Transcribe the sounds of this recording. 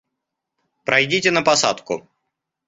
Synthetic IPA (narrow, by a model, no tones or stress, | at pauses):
pɾɐjdʲitʲɪnəpɐsa̰t̪kʊ